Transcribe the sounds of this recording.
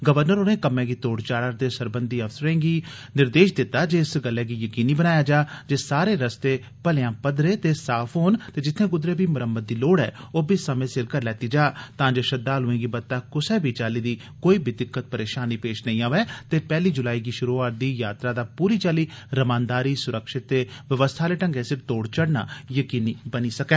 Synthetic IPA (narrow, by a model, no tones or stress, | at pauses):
ɡəʋəɾnəɾoːnẽːkəmɛ̃ːɡiːt̪oːɽt͡ʃaːɾaːɾt̪eːsəɾbənd̪iːəfsəɾẽːɡiː | nɪɾd̪eːʃd̪ɪt̪ːaːd͡ʒeːɪsɡəlːɛːɡiːjəkiːniːbənaːjaːd͡ʒaːd͡ʒeːsaːɾeːɾəst̪eː | pəlejãːpəd̪ɾeːt̪eːsaːpʰɦoːnt̪eːd͡ʒɪt̪ʰːẽːɡʊd̪ɾẽːbiːməɾəmːəd̪̚ːiːloːɽɛ̰ːoːbiːsəmẽːsɪɾkəɾlɛːt̪iːd͡ʒaːt̪ãːd͡ʒeːʃəd̪aːlɦʊẽːɡiːbət̪ːaːkʊsɛːbʱiːt͡ʃaːliːd̪iː | koːiːbid̪ɪkːət̪̚pəɾeːʃaːniːpeːʃnəĩːaːʋɛːt̪eːpɛːliːd͡ʒʊlaːiːɡiːʃʊɾuːaːɾ̚d̪iːjaːt̪ɾaːd̪aːpuːɾiːt͡ʃaːliːɾəmãːnd̪aːɾiːsʊɾəkʃɪt̪ːeːʋəʋəst̪ʰaːleːʈə̃ŋɡɛːsɪɾt̪oːɽt͡ʃəɽna̰ːjəkiːniːbəniːsəkɛː